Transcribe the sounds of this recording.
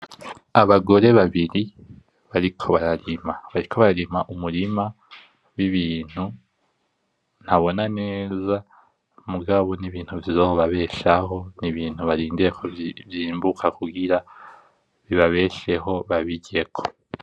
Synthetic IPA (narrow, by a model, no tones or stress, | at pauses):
aβaɡo̞ɾe̞βaβiɾi | βaɾikʰo̞βaɾaɾimaβaɾikʰo̞βaɾaɾimaʔumuɾima | wiβiːn̥hu | n̥haβo̞nane̞ːza | muɡaβo̞niβiːn̥huvizoːβaβe̞ːʃaho̞niβiːn̥uβaɾiːndiɾekʰo̞vjiːmbukʰakuɡiɾa | βiβaβe̞ːʃe̞ɦo̞βaβiɟe̞kʰo̞